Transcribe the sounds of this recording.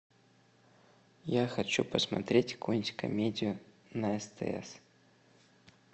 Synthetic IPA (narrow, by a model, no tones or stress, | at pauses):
jaxɐt͡ɕupəsmɐ̰t̪ɾʲetʲkunʲtʲkɐ̰mʲedʲɪjʊ | nɐɛst̪ɛ̰ɛ̰s